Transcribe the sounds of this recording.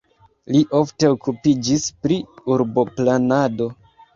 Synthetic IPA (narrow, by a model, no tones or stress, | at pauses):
liʔo̞fte̞okupid͡ʒispɾiuɾbo̞planado̞